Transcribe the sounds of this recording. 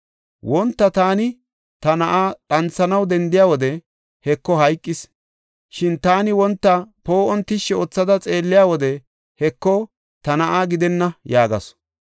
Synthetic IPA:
wɔnt̪ːɐt̪aːnɪ | t̪ɐnɐʔaːɗɐnt͡sːɐnɐwd̪ɛnd̪ɪjaːwɔd̪ɛ | hɛkːɔɦɐjkʼːɪs | ʃɪnt̪aːnɪwɔnt̪ːɐpo̞ːʔɔnt̪ɪʃːɛɔt͡sːɐd̪ɐt͡sʼe̞ːlːɪjaːwɔd̪ɛ | hɛkːɔ | t̪ɐnɐʔaːɡɪd̪ɛnːɐjaːɡɐ̰s

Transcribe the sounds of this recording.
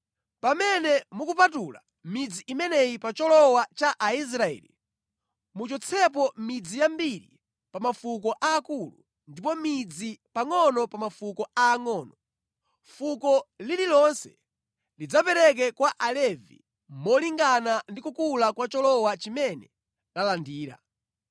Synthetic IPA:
pamɛnɛmukupatula | mid͡ziimɛnɛjipat͡ʃɔlɔwat͡ʃaʔais̬ɾaɛ̰lḭ | mut͡ʃɔt͡sʰɛp̬ɔmid͡zijambiɾḭ | pamafukɔʔaːkulṵ | ndip̬ɔmid͡zipaŋɔnɔpamafukɔaːŋɔːnɔ | fukɔlililɔnsɛ | lid͡zapɛɾɛk̬ɛkwaʔalɛvḭ | mɔliŋɡanandikukulakwat͡ʃɔlɔwat͡ʃimɛnɛ | lalandiːɾa̰

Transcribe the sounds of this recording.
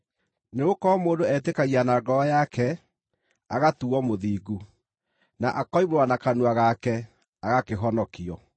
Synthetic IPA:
neokɔmoːndoɛtekaɣianaɡɔjakɛ | aɣatuɔmoðiːɡu | naʔakɔimoɾwanakanuaɣakɛ | aɣakeɦɔnɔkiɔ

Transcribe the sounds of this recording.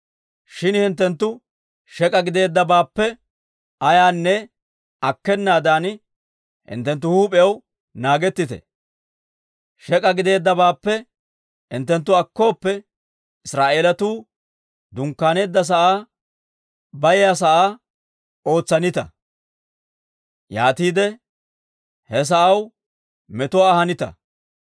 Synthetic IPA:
ʃɪnhɪnt̪̬ːɛnt̪ːʊ | ʃɛkʼɐɡɪd̪e̞ːd̪ːɐbaːpːɛ | ɐjaːnːɛ | ɐkːɛnːaːd̪aːn | hɪ̰nt̪ːɛnt̪̬ːʊhuːpʼɛjɐw | naːɡɛt̪ːɪt̪ɛ̰ | ʃɛkʼɐɡɪd̪e̞ːd̪ːɐbaːpːɛ | hɪ̰nt̪ːɛnt̪̬ːʊɐkːo̞ːpːɛ | ɪsɾaːʔe̞ːlɐt̪uː | d̪ʊŋkːaːne̞ːd̪ːɐs̬ɐʔaː | bɐjjas̬ɐʔaː | o̞ːt͡sːɐnɪt̪ɐ | jaːt̪iːd̪ɛ | hɛs̬ɐʔɐw | mɛt̪ʊwaːhɐnɪt̪ɐ̰

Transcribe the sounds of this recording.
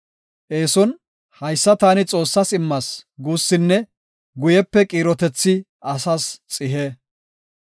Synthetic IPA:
ʔe̞ːsɔn | hɐjsːɐt̪aːnɪt͡sʼo̞ːsːɐsɪmːɐsɡuːsːɪnːɛ | ɡʊjɛpːɛkʼiːɾɔt̪ɛt͡sːɪ | ʔɐsɐst͡sʼɪɦe

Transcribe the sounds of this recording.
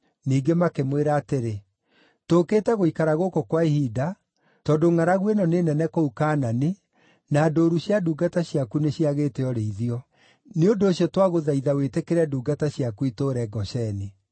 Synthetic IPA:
niːɡemakemweɾaːteɾe | tokeːtɛɣoikaɾaɣokokwaehida | tɔdoŋaɾaɣwɛnɔnenɛnɛkoukaːnane | naːdoːɾuɕjaduːɡataɕjakuneɕjaɣeːteɔɾeiðiɔ | neondoːɕjɔtwaɣoðaiðawetekeɾɛduːɡataɕjakuitoɾɛɡɔʃɛne

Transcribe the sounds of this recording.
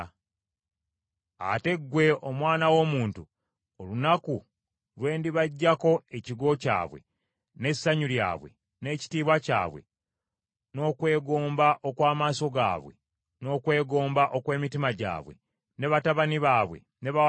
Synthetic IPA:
a̰te̞ɡːwe̞omwaːnawo̞muːntu | olunaku | lwe̞ːndiβaɟːako̞e̞ciɡo̞ca̰ːβwe̞̰ | ne̞sːaɲulja̰ːβwe̞̰ | ne̞ːci̥tiːβwaca̰ːβwe̞̰ | no̞ːkwe̞ːɡoːmbaʔo̞kwaːmaːso̞ɡa̰ːβwe̞̰ | no̞ːkwe̞ːɡo̞ːmbaʔo̞kwe̞ːmitimaɟa̰ːβwe̞̰ | ne̞βataβaniβaːβwḛ | ne̞βa

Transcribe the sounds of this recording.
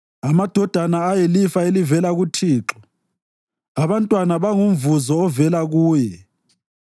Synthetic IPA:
amad̥ʱɔd̥ʱanaːjelifaelivɛlaɣutʰiːǁɔ | aβantʼwanaβaŋumvuzɔːvɛlaɣuːjɛ

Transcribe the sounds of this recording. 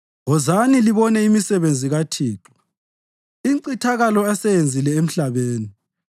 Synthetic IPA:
ɔzaniliβɔnɛimisɛβend͡zʱiɣatʰiːǁɔ̥ | iǀitʰaɣalɔasɛjend͡zʱilɛem̩ɬaβeːni

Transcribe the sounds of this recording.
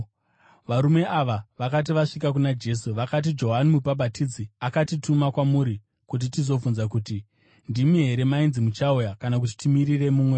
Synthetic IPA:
ʋaɾume̞ʔaʋaʋakat̬iʋaʂikak̬unad͡ʒe̞s̬uʋakat̬id͡ʒo̞ɦanimupaɓatid͡ziakatitumakwamuːɾi | kut̬itizo̞funzakuːti | ndimiɦe̞ɾe̞mainzimut͡ʃaujakanak̬ut̬i̥timiɾire̞muːmwe̞

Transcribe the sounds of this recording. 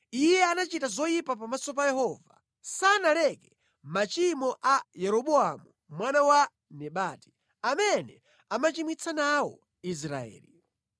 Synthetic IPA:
ijɛanat͡ʃitazɔjipapamasɔp̬ajɛɦɔva | sanalɛkɛ | mat͡ʃimɔʔajɛɾɔɓɔamu | mwanawa | nɛɓaːti̥ | amɛnɛ | amat͡ʃimwit͡sʰanawɔ̰ | is̬ɾa̰ɛ̰ːli

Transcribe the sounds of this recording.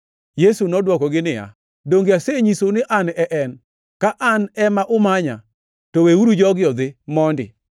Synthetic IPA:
jesunɔdwɔkɔɡɪnɪja̰ | doŋɡeaseɲisonɪʔanɛʔɛn | kaʔanɛmaʔʊmaɲa̰ | toweuɾud͡ʒɔɡɪɔd̪ɪmɔndɪ̰

